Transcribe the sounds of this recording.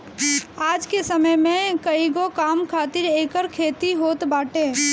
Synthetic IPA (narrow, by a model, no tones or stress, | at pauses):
aːd͡ʒkesəməjmẽkəiɡokaːmkʰaːt̪ɪɾeːkəɾkʰeːt̪iɦoːt̪baːʈẽː